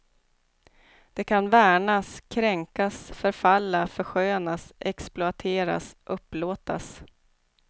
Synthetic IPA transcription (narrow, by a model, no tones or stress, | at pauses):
d̪̥ɛkʰanvæːɳaskʰɾɛŋkasfœɾfalːafœɾɧøːnasʔɛksplʊat̪ʰeːɾa̰sʔɵpːloːt̪a̰s